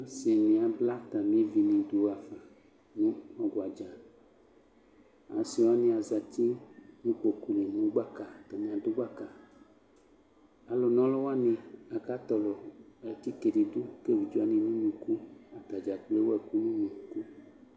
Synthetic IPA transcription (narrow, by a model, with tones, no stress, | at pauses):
se˨nĩ˨a˨bla˦t̪a˨m˦ĩ˦vi˨nĩ˨do˨˦˨a˨fa˨ | nũ˦ɔ˨ɡwa˨d͡ʒa˨ | a̰˨si˦wa˦nĩ˦a˨za˨t̪i˦nĩ˦k͡po˨ku˨le˨nũ˦wɡ͡ba˦ka˨t̪a˨nĩ˨a˨d̪o˦ɡ͡ba˦ka˨ | a˨lɔ˨nɔ̃˦lɔ˦wa˦nĩ˨a˨ka˦t̪ɔ˨lɔ˨ɛ˨t̪i˦ke˨ɖi˨d̪u˦ke˦vi˨d͡ʒɔ˦a˦nĩ˨nũ˦mũ˨ku˦a˨t̪a˨d͡ʒa˨k͡ple˦wɛ˨ku˦nũ˦nũ˨ku˦